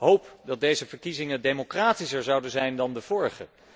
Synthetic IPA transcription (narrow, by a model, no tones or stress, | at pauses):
ɦowpdɑt̚dejzəvəɹkizɪŋədejmokraːtisəɹzɑwdənzɛjndɑndəv̥ʊːɹχə̰